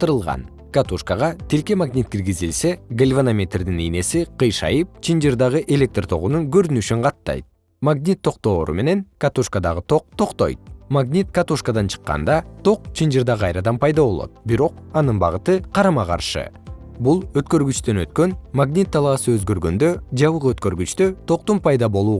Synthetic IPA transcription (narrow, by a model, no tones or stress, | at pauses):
t̪ɯɾɯlˠʁɑ̰n | kat̪uʃkaʁɑt̪ʰilke̞maɡnʲit̪̚kiɾɡizilse̞ɡəlʲvanamʲe̞t̪rd̪inijne̞siqʰɯjʃɑ̰jɯp̚t͡ʃʰind͡ʒird̪ɑʁɯʔe̞lʲe̞k̚t̪rt̪ʰo̞̰ʁunuŋɡøɾynyʃyɴqɑt̪ːɑ̰jt̪̚ | maɡnʲit̪ʰːo̞qt̪o̞ːɾṵme̞ne̞ŋkat̪uʃkad̪ɑʁɯt̪ʰo̞q̚t̪ʰo̞qt̪o̞̰jt̪̚maɡnʲit̪kat̪uʃkad̪ɑnt͡ʃʰɯ̥qːɑ̰nd̪ɑt̪ʰo̞q̚t͡ʃʰind͡ʒiɾd̪ɑʁʰɑjɾɑd̪ɑmpʰɑjd̪ɑbo̞lˠo̞̰t̪̚biɾo̞q̚ɑnɯnbɑʁɯt̪ɯqʰɑɾɑmɑqɑ̰ɾʃɯ̰ | bulˠøt̪kø̞ɾɡyt͡ʃt̪ø̞nøt̪kø̞nmaɡnʲit̪ːɑlˠɑːsɯøzɡø̞ɾɡø̞nd̪ø̞d͡ʒɑβɯqøt̪kø̞ɾɡyt͡ʃt̪øt̪ʰo̞q̚t̪umpɑjd̪ɑbo̞lˠuː